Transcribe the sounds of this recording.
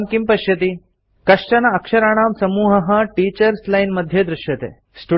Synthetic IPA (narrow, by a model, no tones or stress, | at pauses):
ŋkimpɐʃjɐt̪i | kɐʂʈɐnɐːkʂɐɾaːɳ̃aːmsɐmuːɦɐɦɐ̆ʈiːt͡ʃɐɾslɐjnmɐd̪ʱjɐd̪ɾɪʃjɐt̪ḛː | sʈu